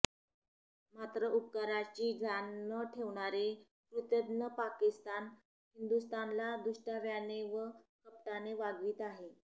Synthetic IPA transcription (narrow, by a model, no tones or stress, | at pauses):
mat̪ɾəʔupkaɾat͡ɕiːd͡ʑʱanːəʈʰeʋɳ̃aɾe | pɾut̪əd̪nəpakist̪an | hind̪ust̪anlad̪uʂʈaʋjaneʋəkəp̚ʈaneʋaɡʋiːt̪aɦe